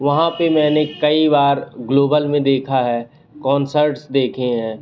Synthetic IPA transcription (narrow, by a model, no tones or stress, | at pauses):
ʋɐɦãpemɛ̃ːnekɐibaːɾɡloːbəlmẽd̪eːkʰaɦɛː | kɔːnsəɾʈsd̪eːkʰẽɦɛ̃ː